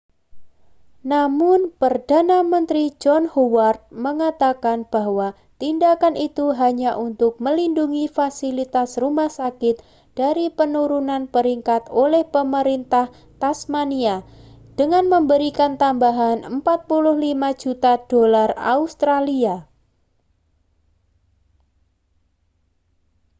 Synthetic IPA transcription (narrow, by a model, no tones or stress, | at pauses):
namʊnpərdanamənt̪ɾid͡ʒɔnhowart̪̚məŋat̪akanb̥aɦwa | t̪indakanʔit̪uɦaɲaʔunt̪ʊk̚məlinduŋifasilit̪asrumahsakɪt̪ | d̥aɾipənuɾunanpəɾiŋkat̪olɛhpəməɾint̪ah | t̪asmania | d̥əŋanməmbəɾikant̪ambaɦanəmpat̪̚pulʊhlimad͡ʒut̪ad̥olara̰ust̪ɾalia